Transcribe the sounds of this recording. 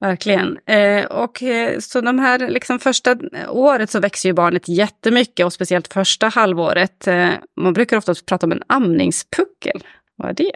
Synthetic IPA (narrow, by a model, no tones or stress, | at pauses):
væɾkʰlɪɡə̰nɔksɔd̪ɔmɦæːɾlɪksɔmfœʂʈaoːɾət̪sɔvɛkst̪əjɵbɑːɳət̪jɛt̪ːəmʏkːəɔspɛsɪɛlt̪fœʂʈahalvoːɾət̪manbɾʉ̟ːkaɾɔft̪apʰɾɑːt̪aɔmɛ̰namnɪ̰ŋspʰɵkːə̰l | va̰æ̰ɖɛ